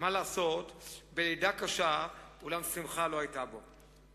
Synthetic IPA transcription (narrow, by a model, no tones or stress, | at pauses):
malaːso̞t̪belejd̪akaʃaulamsimχalo̞ajtabo̞